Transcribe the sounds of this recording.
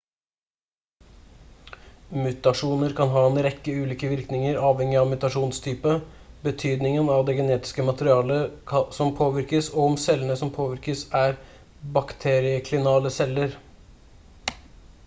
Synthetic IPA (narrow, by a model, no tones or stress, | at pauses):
mʉt̪ɑʂuːnəɾkʰɑnɦɑːɛnɾɛkːəʉːliːkəʋɪɾknɪŋəɾɑːʋhɛŋːɪɑʋmʉt̪ɑʂuːnst̪ʰyːpə | bət̪ʰyːd̪nɪŋənɑʋd̪eːɡɛneːt̪ɪ̥skəmɑt̪əɾɪɑːləsɔmpʰoːʋɪɾkəsɔɔɔmsɛlːənəsɔmpʰoːʋɪɾkəsæːɾ | bɑkt̪ʰeːɾɪəkʰlɪnɑːləsɛləɾ